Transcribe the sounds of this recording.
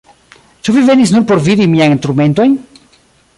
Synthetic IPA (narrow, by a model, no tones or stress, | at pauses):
t͡ʃuvive̞nis̬nuɾpo̞ɾvid̪imianinst̪ɾume̞nt̪o̞jn